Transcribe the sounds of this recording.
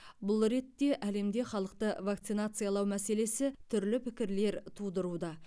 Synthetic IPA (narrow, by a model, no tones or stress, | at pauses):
bʊlˠɾe̞t̪ːe̞ʔæle̞md̪e̞χɑlˠəq̚t̪əvakt̪sɨjnat̪sɨjalˠɑwmæse̞le̞sɪt̪ʰʏɾlɪpʰɪkʲɪɾle̞ɾt̪ʰud̪əɾud̪ɑ